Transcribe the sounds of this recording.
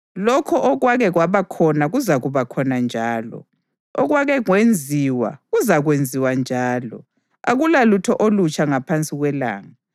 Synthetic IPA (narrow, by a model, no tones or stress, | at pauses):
lɔkʰɔʔɔɣwaɣɛɣwaβakʰɔnaɣuzaɣuβakʰɔnand͡ʒʱaːlɔ̰ | ɔɣwaɣɛŋwend͡zʱiwa̰ɣuzaɣwend͡zʱiwand͡ʒʱaːlɔ̰ | a̰ɣulalutʰɔʔolut͡ʃʼaŋapʰant͡sʼiɣwɛla̰ːŋa